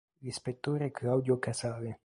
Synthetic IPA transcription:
ispet̪oɾekʰawd̪jokasaðe

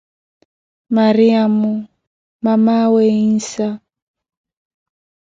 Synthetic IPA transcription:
maɾiamu | mamaweinsa

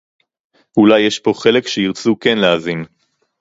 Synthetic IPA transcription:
ulajːeʃpo̞χe̞lekʃeiʁt͡sukenleazin

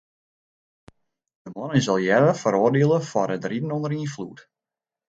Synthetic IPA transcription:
d̥əmɔnənzɑlˠjɛdəfəɾoːrdeəlˠəfɔrədridən̩ɔndəɾinflut

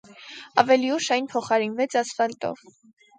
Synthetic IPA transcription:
ɑ̰vɛliuʃɑjnpʰɔχɑɾinvɛt͡sʰɑsfɑlt̪ɔ̰v

